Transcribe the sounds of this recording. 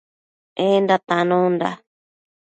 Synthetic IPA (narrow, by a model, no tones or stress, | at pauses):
endat̪anõnda̰